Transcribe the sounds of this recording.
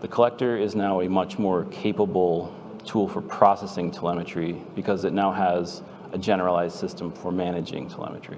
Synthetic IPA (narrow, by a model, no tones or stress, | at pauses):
ðɨkʰəlɛk̚tə˞ɪznaʊɨmʌt͡ʃmɔɹkʰeɪpəbl̩ˠ | tʰulˠfə˞pʰɹ̥ɑsɛsɪ̃ŋtʰəlɛmɨt͡ʃɹib̥ɨkʰʌzɨtⁿnaʊəz | ʔɨd͡ʒɛnə˞əlˠaɪzd̥sɪstə̃ɱfə˞mæñɨd͡ʒɪ̰̃ŋtʰəlɛ̰mɨt͡ʃɹ̥ḭ